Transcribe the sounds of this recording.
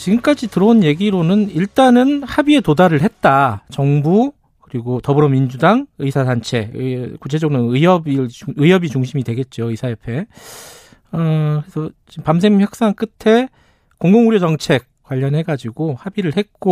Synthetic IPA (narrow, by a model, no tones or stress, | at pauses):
t͡ɕiɡɯmk͈ad͡ʑitɯɾʌonje̞ɡiɾonɯniɭt͈anɯnhabie̞todaɾɯɭɦhe̞t̚t͈at͡ɕʌŋbu | kɯɾiɡotʌbɯɾʌmind͡ʑudaŋɯsʰadant͡ɕʰe̞kut͡ɕʰed͡ʑʌɡɯnɯɯɦʌbiɯjʌbit͡ɕuŋɕʰimidwe̞ɡe̞t̚t͡ɕ͈oɯsʰajepʰe̞ | ʌkesʰʌt͡ɕimpamsʰeŋmçjʌk̚s͈aŋk͈ɯtʰe̞ | koŋɡoŋuɾjod͡ʑʌŋt͡ɕʰe̞k̚kwaʎːʌnɦe̞ɡad͡ʑiɡohabiɾɯɭhe̞t̚k͈o